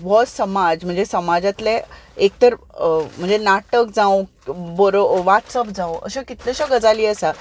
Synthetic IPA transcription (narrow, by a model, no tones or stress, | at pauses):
ʋɔsəmad͡zm̤əɳd͡zesəmad͡zat̪leek̚t̪əɾ | m̤əɳd͡zenaʈəkd͡zão | bəɾoʋaʈsɔp̚d͡zawə̰ɕekit̪leɕaɡəd͡zaliːəsa